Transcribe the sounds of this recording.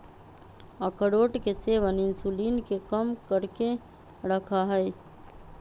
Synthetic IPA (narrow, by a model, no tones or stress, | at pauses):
əkəɾoːʈkeseʋanɪnsulinkekəmkəɾke | ɾəkʰaɦɛj